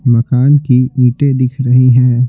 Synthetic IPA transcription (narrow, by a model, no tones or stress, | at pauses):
mɐkaːnkiĩːʈed̪ɪkʰɾɐɦiɦɛ̃ː